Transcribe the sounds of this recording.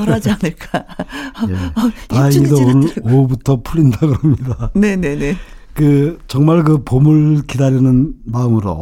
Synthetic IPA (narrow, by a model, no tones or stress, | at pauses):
ʌɾad͡ʑianɯɭk͈ajetaiɲidoonɯɾobutʰʌpʰuɭːindaɡɯɾʌmɲidane̞ne̞ne | kɯt͡ɕʌŋmaɭk̬ɯpomɯɭkidaɾinɯnmaɯmɯɾo̰